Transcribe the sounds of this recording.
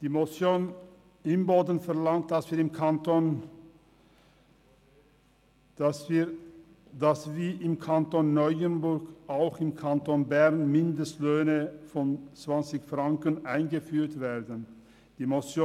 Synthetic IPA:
d̥iːmosjoːn | ɪmboːdən̩fɛɐlaŋt̚d̥asv̥iːɐɪmkʰanton | i | dasviːʔɪmkʰantoːnːɔʏənbʊɐɡʔaʊxɪmkʰantoːnbɛʁnmɪndəstløːnəfɔnt͡sv̥ant͡sɪçfʁ̥aŋkənʔaɪnɡəfyːɐtv̥eːɐdən | d̥iːmosjoː

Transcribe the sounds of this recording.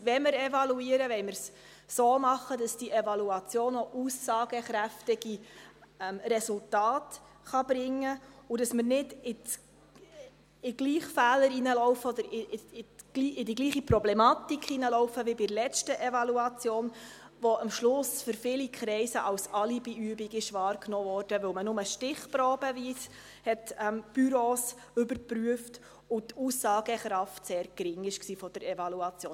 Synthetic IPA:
ʋɛməɾɛvɑluiːəɾəʋɛɪməɾs | soːmɑχədɑsd̥iʔɛvɑluɑt͡sjoːnoʔusːɑːɡ̥əχɾæftɪɡ̥i | ɛmrɛsultɑːt | χɑb̥ɾɪŋːəʊdɑsmərnɪdɪt͡s | ɪɡ̥liːχfæːləɾinəlɔʊfəɔd̪əɾɪɪɪ̥iːɪdiɡliːχipɾɔblɛmɑt̪ikχinəlɔʊfəʋibɪɾlɛt͡ʃtəʔɛvɑluɑt͡sjoːn | ʋɔəmʃlʊsfʏɾfɪlikʰɾɛɪsəʔɑwsɑlibɪyːbiɡɪʃʋɑːɾknɔːvɔːɾd̥əʋɵlmənʊməʃtɪχpɾɔːbəviːs | hɛtɛmb̥yɾoːs | ʏbəɾpɾyəft | ʊtuːsɑːɡəχɾɑftseːɾɡ̥ɾɪŋɪʃksiːfɔd̥əɾɛvɑluɑt͡sjo̰ːn

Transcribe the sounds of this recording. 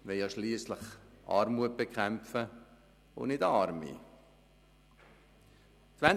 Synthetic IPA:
ʋɛljɑːʃliːslɪχʔɑ̰ːɾmuət̚b̥ekχɛmfə | o̰nɪdɑːɾmḭ | t͡sʋæn

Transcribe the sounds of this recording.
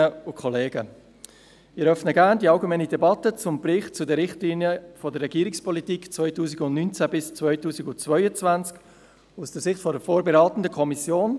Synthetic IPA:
əʊkʰɔleːɡə | mɪɛɾœfnəɡæːʁndiɑlɡemɛnidɛbɑtət͡sʊmbɾɪχtt͡sʊdəɾːɪχtliːnjəfɔdəɾːɛɡ̥iːɾɪkspʰɔlitiːkt͡svœʏtuːsiɡʊntnynt͡sæbɪst͡svœʏtuːsiɡʊnt͡svœʏət͡svænt͡sk | usd̥əsɪχtfɔdəfoːɾbɛɾɑːtn̩dəkʰɔmisjoːn

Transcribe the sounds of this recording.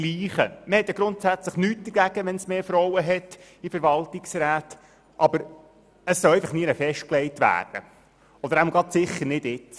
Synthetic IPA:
liːχəməhɛtjɑɡɾʊntsæt͡sləχnyːt̚d̥̪əɾɡæɡ̥əʋɛnsmeːfɾɔwəɦɛt | ifəɾʋɑltɪksɾæːt | ʔɑbəɾ | əssɔlɛɪfəχniənəfɛʃt̚klɛɪtʋæ̰ːrd̥ə̰ | ɔd̪əɾæml̩ɡɑtsɪχːəɾnɪdɪt

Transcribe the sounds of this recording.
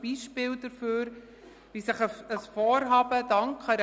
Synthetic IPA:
b̥iʃpɪːld̥əɾføːɾ | ʋisɪχəəsfɔːɾɦɑːbəd̥ɑŋkχɑɾ

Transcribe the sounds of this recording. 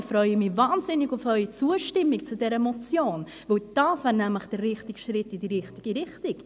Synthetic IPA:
fɾœʏəmivɑːnzɪniɡufœʏit͡suəʃtɪmːikt͡sudɛɾəmɔt͡sjoːn | vəld̥ɑːsvæːɾnæmləχd̥ərːɪχtiɡʃɾɪtːidiɾɪχtiɡ̥iɾɪχtɪk

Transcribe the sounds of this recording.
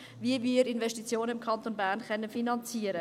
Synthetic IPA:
viəviːɾɪnvɛʃtit͡sjoːnəɪmkʰɑnt̪onbæːɾnχɛnːəfinɑnt͡siːəɾə

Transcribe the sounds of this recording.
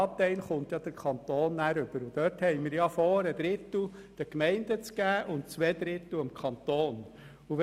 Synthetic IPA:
ɑːp̚t̪ɛɪlχʊnt̪jɑd̥əɾkʰɑnt̪oːnːæːɾʏb̥əɾʊd̥̪œthɛɪmiːɾjɑfɔːɾəd̪̥ɾɪt̪l̩d̥əkmɛɪndət͡sɡ̥æːʔʊntt͡sʋɛd̪ɾɪt̪l̩ɪmkχɑnt̪oːn | uʋ

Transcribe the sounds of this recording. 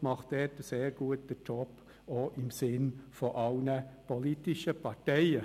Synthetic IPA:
mɑχtɛːtəseːɾɡ̥uət̚dət͡ʃʰɔpː | oʔɪmsɪnfoʔɑlnəpʰɔlitɪʃəpʰɑɾtɛɪə

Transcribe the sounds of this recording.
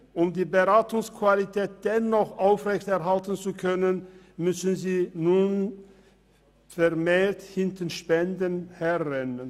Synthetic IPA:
ʔʊmdiːbəʁaːtʊŋskʰv̥alitʰɛːt̚d̥ɛnɔχʔaʊfʁɛçtɛɐɦaltən̩t͡sukʰœnən | mʏsn̩ziːnuːn | fɛɐmeːɐthɪntənʃpɛndənhɛʁɛnən

